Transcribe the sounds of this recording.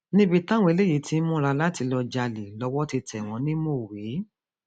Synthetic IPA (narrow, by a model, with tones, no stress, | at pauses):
nĩ˦bi˧tã˦w̃ɔ̃˧e˧le˦ji˨˦ti˧˦mũ˦ɾa˧la˦ti˧lɔ˧d͡ʒa˧li˨lɔ˧wɔ˦ti˧tɛ˨w̃ɔ̃˨˦nĩ˦mo˦˨we˨˦